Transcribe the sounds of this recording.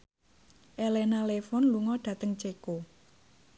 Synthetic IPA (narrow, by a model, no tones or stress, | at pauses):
ʔelenalefɔnluŋɔɖ̪̥ä̤t̪əŋt͡ʃeko